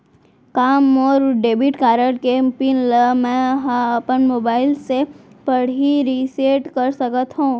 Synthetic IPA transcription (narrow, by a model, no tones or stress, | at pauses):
kaːmɔːɾɖeːbiʈkaːɾəɽkepinləmɛ̃ɦãɐpənmoːbaːɪlsepɐɽ̤iɾiːseːʈkəɾsəkət̪ɦũː